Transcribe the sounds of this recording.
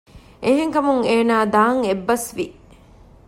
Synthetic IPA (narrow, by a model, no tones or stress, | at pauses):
ʔeɦeŋkɐmuŋeːnaːd̪aːŋebːɐsʋi